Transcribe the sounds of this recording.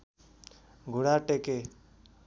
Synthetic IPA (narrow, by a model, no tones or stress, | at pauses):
ɡʱuɽaʈeke